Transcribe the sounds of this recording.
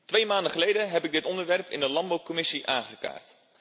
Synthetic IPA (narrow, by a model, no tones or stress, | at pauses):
tʋejmaːndəχəlejdəɦɛpɪɡ̚dɪtɔndəɹʋɛɹpɪ̰ndəlɑmbowkɔmɪsiʔaːŋχəka̰ːɹt